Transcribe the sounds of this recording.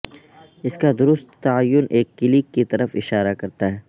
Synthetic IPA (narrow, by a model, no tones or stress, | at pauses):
ɪskad̪ʊɾʊst̪ːaaːjʊnʔeːkːɪliːkːit̪ɐɾəfɪʃaːɾakɐɾt̪aɦɛː